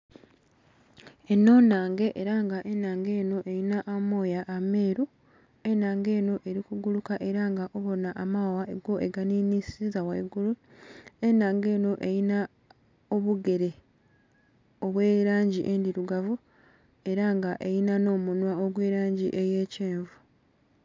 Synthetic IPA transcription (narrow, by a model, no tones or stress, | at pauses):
e̞nːo̞ːnaːŋɡe̞ʔeɾaŋɡaʔe̞nːaːŋɡe̞ːno̞ʔe̞jinaʔamo̞ːjaʔːme̞ːɾu | enaːŋɡe̞ːno̞ʔe̞ɾikuɡulukaʔe̞ɾaŋɡaʔo̞βo̞naʔamawaʔeɡo̞ʔeɡaninisizaweiɡulue̞naːŋɡe̞ːno̞ʔe̞jina | oβuɡe̞ɾe̞ | oβwe̞ːɾaːɲɟiʔe̞ndiɾuɡavu | e̞ɾaŋɡaʔe̞jinano̞ːmunwaoɡwe̞ːɾaːɲɟiʔe̞je̞ːceːɱvu